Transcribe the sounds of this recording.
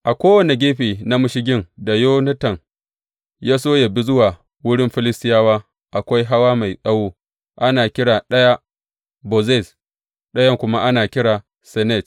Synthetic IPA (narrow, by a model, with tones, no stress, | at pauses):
ʔa˨kʷoː˦wɐ˨ni˨ɡʲeː˦ɸiː˨na˦mʊ˦ʃɪ˦ɡʲɪ˦ŋda˨joː˦nɐ˦tɐ˨ŋ | jaː˦s̬oː˦ja˨bi˦zʊ˦waː˨ | wʊ˦ɽɪ˦mɸɪ˦lɪ˦stɪ˦jaː˦waː˦ | ʔa˨kʷa˦jɦa˦waː˦ma˨jsʼɐ˦woː˦ | ʔa˦naː˨kʲɪ˦ɽaː˨ɗɐ˦ja˦ | bo˨zɛ˦˨s | ɗɐ˦jɐ˦ŋkʷʊ˦ma˦ʔa˦naː˨kʲɪ˦ɽaː˨ | sɛ˨nɛ˦˨t